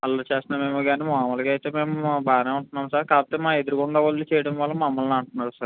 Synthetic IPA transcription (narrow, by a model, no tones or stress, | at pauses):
ɐlːoːt͡ʃeːst̪naːmeːmuɡaːniːmaːmɐlɐkːɐjt̪eːme̞ːmubaːneːuɳʈunːaːmsaɾkaːbɐt̪ːeːmaːe̞d̪uɾikuɳɖaːʋɐlːit͡ʃɛjɐɽɐmʋɐlːɐmɐmːɐlniɐɳʈunːaːɾusaɾ